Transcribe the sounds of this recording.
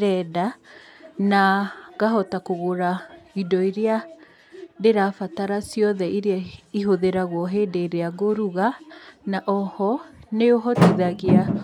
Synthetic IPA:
ɾɛda | naɣaɦɔtakoɣoɾaidɔiɾea | deɾafataɾasiɔðɛiɾeaiɦoðeɾaɣwɔɦeːdeɾeaɣoɾuɣanaʔɔhɔneoɦɔtiðaɣea

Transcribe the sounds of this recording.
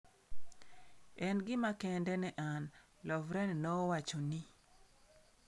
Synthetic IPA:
ɛnɡɪmakɛndɛnɛʔan | lɔvɾɛnnɔwat͡ʃoni

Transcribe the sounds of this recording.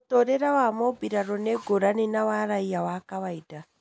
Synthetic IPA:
tɔɾɛɾawamɔbiɾaɾɔnɛɡoɾaninawaɾaiawakaβaida

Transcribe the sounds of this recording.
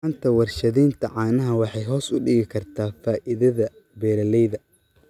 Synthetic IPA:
nt̪ʰɐwɐrʃɐðɛːnt̪ʰɐʕɑːnɐɦɐwɑħɑjɦɔːsʊɖɪɣɪkʰɐrt̪ʰaːfaːʔɪðɐðɐ | bɛːɾɐlɛjðɐ

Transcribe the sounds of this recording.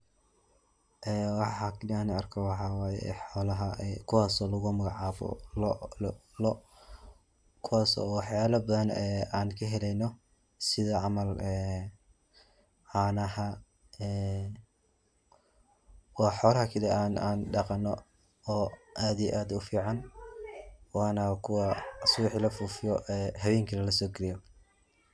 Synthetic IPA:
ʔɛːwɑħɑklanɐrkʰɔwɑħɑwɑːjɛ̰ħɔːlɐɦɐɛkʰʊwaːsɔːlɐɣʊmɐɣɑʕɑːβɔ̰l | lɔ | kʰʊwaːsɔ̰wɑħjaːlɐbɐðɐnɛaːnkʰɐɦɛlɛjnɔ | sɪðɐʕɑmɐlɛː | ʕɑːnɐhɐ | ɛː | wɑːħɔːlɐhɐkʰɐlɛʔaːnaːnɖɑqɑnːɔ | ɔːʔaːd̪ijɛʔaːd̪ʊfiːʕɑn | wɑːnɐkʰʊwɐsʊwɪħilɐfuːfɪjɔɛːhɐβɛːŋkʰɐlɐlɐsɔːɡɛɾɪjɔ

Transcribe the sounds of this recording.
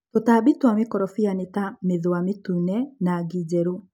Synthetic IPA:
totabitwamekɔɾɔfianetameðoametunɛnaɡid͡ʑɛɾo

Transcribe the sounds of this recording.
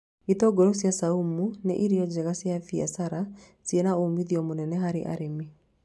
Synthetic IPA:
itɔːɡɔɾosjasaumunḛʔiɾiɔd͡ʑɛɣasjafia̰saɾa | sjenaomiðiɔmonɛnɛɦaɾḛʔa̰ɾemi

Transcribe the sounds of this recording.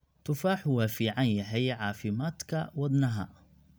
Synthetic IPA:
t̪ʊfaːħʊwafiʕanjaɦajʕafimat̪ˤkawɪd̪ˤnaɦa̰

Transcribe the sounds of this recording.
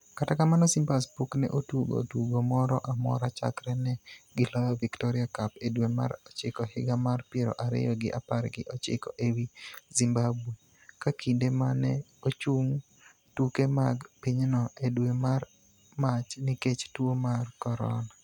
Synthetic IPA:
katakamanɔsimpaspuknɛ̰ʔotuɡo̰tuɡomɔɾɔʔamɔ̰ɾat͡ʃa̰kɾɛnɛɡɪlɔjɔviktɔɾɪakapedwema̰ɾɔt͡ʃɪkɔhɪɡamarpjeɾɔ̰ʔaɾɪ̰jɔɡɪʔapaɾɡɪʔɔt͡ʃɪ̰kɔʔewizimbabwe | kakʰindemanɛ | ot͡ʃuŋ | tukemaɡpiɲnɔʔedwemar | mat͡ʃnɪket͡ʃtwomarkɔɾɔ̰na

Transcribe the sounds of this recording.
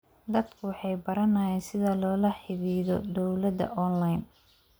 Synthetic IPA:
d̪ɐd̪kʰʊwɑħɑjbɐɾɐnaːjɛːnsɪðɐlɔːlɐħɪβiːðɔ̰d̪ɔwlɐd̪ɐ̰ʔɔnlɐjn

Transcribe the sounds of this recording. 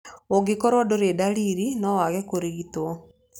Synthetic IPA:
oɡekɔɾwɔdoɾedaɾiːɾinɔwaɣɛkoɾeɣitwɔ

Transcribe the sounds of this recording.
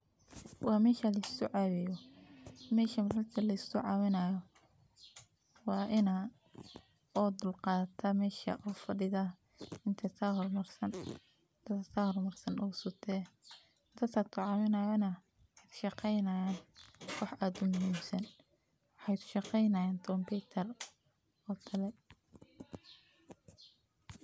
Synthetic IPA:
wɑːmɛːʃɐlɐst̪ʊʕɑwɪjɔ | mɛːʃɐmɾɐrt̪ʰɐlɐɪst̪ʊʕɑːwɪnɐːjɔ | wɑːʔɪnɐ | ɔːd̪ʊlqɑːt̪ʰɐmɛːʃɐ̰ʔɔːfɐɖɪðɐ | ɪnt̪ʰɐt̪ʰaɦɔrmɐrsɐn | t̪ʰɐt̪ʰahɔrmɐrsɐnʔɔːsʊt̪ʰɛ | t̪ʰɐt̪ʰɐt̪ʰʊʕɑmɪnɐjɔnɐ | ɑjt̪ʰʃɑqɛjnɐjaːnkʰɑħaːd̪ʊmʊɦiːmsɐn | wħɑjt̪ʰʊ̥ʃɑqɛjnɐjaːnt̪ʰɾɔmpʰɛt̪ʰɐr | ɔːt̪ʰɐlɛ

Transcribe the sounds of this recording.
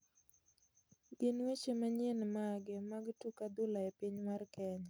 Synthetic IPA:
ɡɪnwet͡ʃemaɲenmaɡɪmaɡtukad̪ʊlaepiɲmarkɛɲ

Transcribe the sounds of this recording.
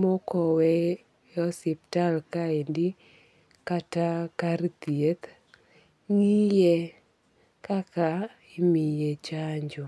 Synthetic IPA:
mɔkɔwɛ | ɔsip̚talkaendi | katakaɾt̪iet̪ | ŋije | kaka | imijet͡ʃaɲd͡ʒɔ

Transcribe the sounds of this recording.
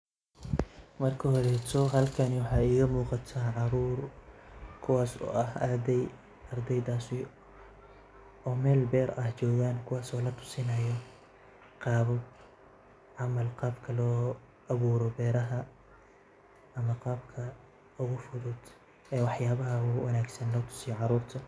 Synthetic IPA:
mɐrkʰɐhɔɾɛt̪ʰɔɦɐlkʰɐnɪwɑħɑːiːɣɐmuːqɑt̪ʰaːʕɑɾuːr | kʰʊwɑːsɔ̰ːʔɐɦɐrd̪ɛj | ɐrd̪ɛjd̪aːsi | ɔːmɛːlbɛːɾɐht͡ʃɔːɣaːnkʰʊwɑːsɔːlɐt̪ʰʊ̥sɪnɐjɔ | qɑːβɔ | ʕɑmɐlqɑːbkʰɐlɔː | ɐβuːɾɔbɛːɾɐɦɐ | ɐmɐqɑːbkʰɐ | ʊɣʊfʊðʊd̪ | ɛːwɑħjaːβɐɦɐʊwɑnaːɡsɐnlɔːt̪ʰʊ̥sɪjɔʕɑɾuːrt̪ʰɐ

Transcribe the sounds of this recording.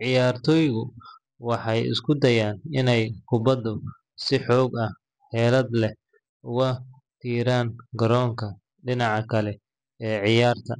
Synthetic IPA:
ʕɪjaːrt̪ʰɔːjɣʊ | wɑħɑjɪ̰skʰʊd̪ɐjaːnɪnɛjkʰʊbɐd̪ʊ | sɪħɔːɡɐh | hɛːlɐd̪lɛh | ʊɣɐ | t̪ʰiːɾaːŋɡɐɾɔːŋkʰɐ | ɖɪnɑʕɑkʰɐlɛ | ɛːʕɪjaːrt̪ʰɐ

